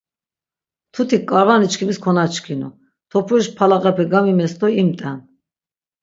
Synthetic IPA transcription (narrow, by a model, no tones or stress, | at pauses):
t̪ʰut̪ʰikkʼaɾvanit͡ʃkʰimiskʰɔnat͡ʃʰkʰinṵ | t̪ʰɔpʰuiʃpʰalaqʼɛpʰɛɡamimɛst̪ʰʼɔimt̪ʼɛn